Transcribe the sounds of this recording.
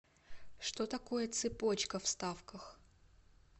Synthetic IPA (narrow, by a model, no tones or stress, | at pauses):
ʂt̪ot̪ɐko̞jət̪sɨpo̞t͡ɕkəfst̪afkəx